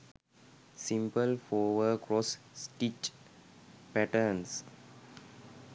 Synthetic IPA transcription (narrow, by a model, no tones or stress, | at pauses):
sĩmpəlfɔːʋəkɾɔs | sʈit͡ʃ | pæʈəɾns